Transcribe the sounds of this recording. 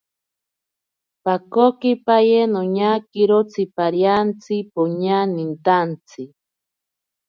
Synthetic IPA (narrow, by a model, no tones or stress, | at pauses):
pakokipajenoɲakiɾot͡sʰipaɾjant͡sipoɲanint̪ant͡sʰi